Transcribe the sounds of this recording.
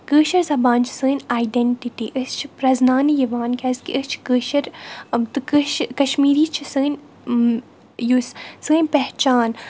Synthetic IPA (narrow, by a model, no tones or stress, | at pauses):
kəːʃɐɾzɐbaːnt͡ʃʰsɨːnʲaːjɖeɳʈiʈiːʔɨst͡ʃʰipɾɐznaːnijiʋaːnkʲɐskiʔɨst͡ʃʰkəːʃɐɾt̪ɨkɨʃkɐʃmiːɾiːt͡ʃʰisɨːnʲ | jussɨːnʲpɛɦt͡ʃaːn